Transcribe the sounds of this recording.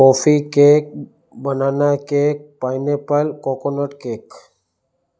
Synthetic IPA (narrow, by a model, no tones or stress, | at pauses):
koːfikeːk̚ | bənaːnakeːk̚paːjnepəlkoːkonəʈkeːk